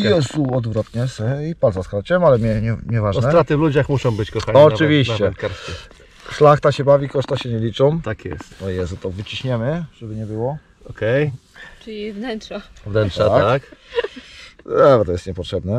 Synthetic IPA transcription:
jɛzuɔd̪vɾɔt̪ɲɛsɛipalzaskɾɔt͡ɕɛmalɛmʲɛɲɛɲʲɲɛvaʐnɛɾat̪ɘvlud͡ʑaxmuʂɔ̃w̃bɘt͡ɕkɔxaɲɔɨvʲiɕt͡ɕɛkaɾsi | ʂlaxt̪aɕɛbavʲikɔʂt̪aɕɛɲɛlʲit͡ʂɔ̃mt̪akjɛ̰st̪ɔjɛzut̪ɔvɘt͡ɕiɕɲɛmɘʐ̥ɛbɘɲɛbɘwɔ | ɔkɛjt͡ʂʲivnɛntʂavnɛntʂat̪ak | ɛvɛt̪ɔjɛst̪ɲɛpɔtʂɛbnɛ

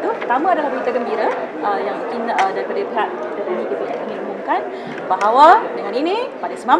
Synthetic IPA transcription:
t̪upət̪amãːdalahbuit̪aɡəmbiɾə | ʔəjaŋmukinədaɾipadabəɦat̪̚ | dəɾanĩdit̪əlaʔkaminumuŋkan | baɦawadəŋaninĩpadasəma

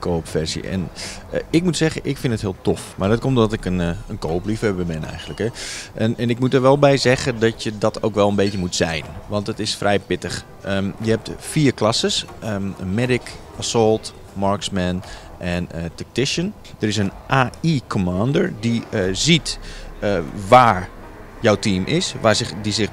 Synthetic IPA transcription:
kʰoːpfɛrsḭʔɛ̰n | ɪk̚mutsɛɣəʔɪkfɪndətɦiəlˠtʰofmardɔtkomtdɔtɪkənənkoːplifɛbɛmɛnɛ̰jɣəndləkhɛɛnɛnɪkmutəɹʋɛlˠbɛjzɛɣədɔtjədɔtʰowkʋɛlˠənbeːtjəmutsɛ̰jnʋɑntətɪsfrʔɛjpɪtəx | əjəhɛp̚tfiːərklasəsəmɛdɪkʔasɔlˠt | mɔɹksmɛn | ʔɛnətɛk̚tɪʃən | d̥əɾɪs̬ənʔaːikʰomaːndəɹdizit | ʋaːɹ | jɔwtiːmʔɪsʋaɪdisɪx

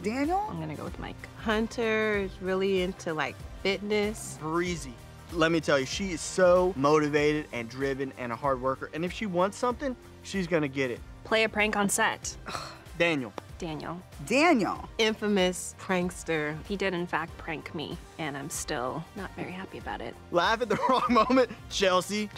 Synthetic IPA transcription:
d̥æ̃njl̩̰̃ˠɪ̃mɡʌnɨɡo̰ʊwɨðma̰ɪkhʌ̃ntʰə˞zɹɪlˠiɪ̃ntʰulaɪk̚fɪtⁿnɨsb̥ɹizi | lɛt̚mitʰɛlˠjɨʃiɪz̥soʊmoʊɾɨveɪɾɨɾɨ̃ndɹɪvɨ̃nɨ̰̃nəhɑɹd̚wɜ˞kə˞ʔɨ̃nɨfʃiwɑ̃ntsʌ̃mθɪ̃ŋ | ʃizɡʌnɨɡɛɾɪ̰t̚pʰl̥eɪɨpʰɹ̥æ̃ŋkn̩sɛt | d̥æ̃njl̩ˠd̥æ̃njl̩ˠ | dæ̃njl̩ˠɪ̃ɱfəmɨspʰɹ̥æ̃ŋkstə˞hidɪɾɨ̃nfæk̚t̚pʰɹ̥æ̃ŋkmḭɨ̃nãɪ̃mstɪ̰lˠnətvɛɹihæpiɨbaʊɾɪ̰t̚læfɨt̪̚ðɨɹɔ̃ŋmõʊ̃mɨ̃nt͡ʃʰɛlˠsi

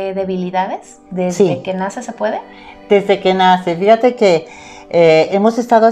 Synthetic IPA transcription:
eðeβiliðaðes | ðezsikenasesepwe̞ðe | d̪̥e̞zðe̞ke̞nasefixat̪e̞ke̞ | eemo̞se̞st̪aðo

